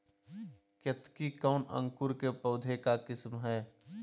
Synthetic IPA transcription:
kjət̪kikaʊnə̰̃ŋkʊɾkepəʊd̪ʱekakɪsmɦɛː

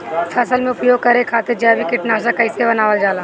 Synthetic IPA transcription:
fʰɛːsəlmẽʊpjoːɡkɐɾẽkʰaːt̪eɾd͡ʒaːbikɪʈnaːʃ̬akɐɪsebɐnaːʋəld͡ʒaːlaː

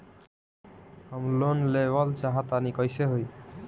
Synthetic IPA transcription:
amlonlebalt͡ʃaɦat̪anikɔjseɦoj

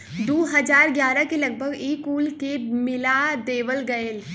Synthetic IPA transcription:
d̪oːɦɐzaːɾɡjaːɾakelɐɡ̚bʱəɡiːkuːlkemɪlad̪eːʋəlɡɐel

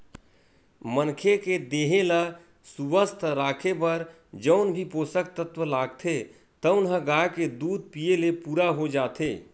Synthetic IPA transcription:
mənkʰeked̪eɦela | suʋəst̪ʰɾakʰepəɾ | d͡ʒəʊnbʱiposək̚t̪ət̪ʋəlaɡt̪ʰe | t̪əʊnɦəɡaked̪ud̪̚pijelepuːɾaɦod͡ʒat̪ʰe

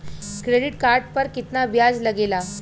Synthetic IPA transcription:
kɾeɽiʈkaɾɖ̚pəɾkit̪nabjad͡zləɡela

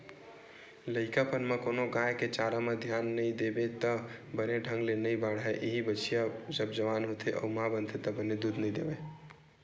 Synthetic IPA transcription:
ləɪkapənmekonoɡãeket͡ʃaɾamed̪ʱjanːəjd̪ebet̪əbəneɖʱə̃ŋɡlenəjbaɽɦaʔeɦibət͡ʃijad͡ʒəb̚d͡ʒəʋanɦot̪ʰeʔɔ̰mabənt̪ʰet̪əbəned̪ud̪ʱnəid̪ebe

